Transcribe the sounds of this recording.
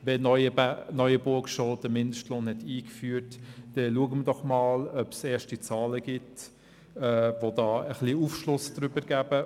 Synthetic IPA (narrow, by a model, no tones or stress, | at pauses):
vɛnɔəbnœʏəbʊɾkʃoldəmɪndəʃtloːnhɛtiːkfyːɾtd̥ɛluəɡəmədɔχmɑːlœpsɛːʃtit͡sɑːləɡ̥ɪt | ɛvodɑːəχliufʃlʊsd̥ɾʏbəɾɡ̥æb̥ə